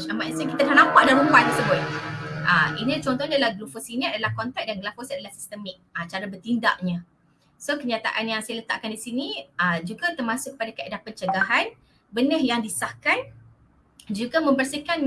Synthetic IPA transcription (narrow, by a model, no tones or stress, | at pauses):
amasəkit̪akanãmpaʔdanɾumpat̪t̪əsəbʊt̪̚ʔəinit͡ʃɔnt̪ɔhɲadalahɡlufosiniadalahkɔnt̪ɛk̚danɡlafɔsadalahsi̥st̪əmik̚ət͡ʃaɾabərt̪inda̰ʔɲã | sokəɲat̪a̰ʔanjaŋsajalət̪a̰ʔkandisiniəd͡ʒuɡat̪ərmasʊʔkːəpadakəadapənt͡ʃəɡaɦan | bənəhjaŋdisahkan | d͡ʒuɡamə̃mbərsikan